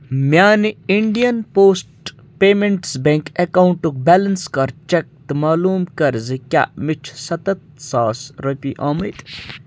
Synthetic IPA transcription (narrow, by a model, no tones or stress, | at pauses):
mʲjaːniiɳɖijɐnpoːsʈ | peːmeɳʈsbeŋkekauɳʈuk̚belɐnskɐɾt͡ʃek̚t̪ɨmaːluːmkɐɾzikʲa̰ʔmit͡ʃʰsɐt̪ɐt̪̚saːsɾɐpʲiʔaːmɐjt̪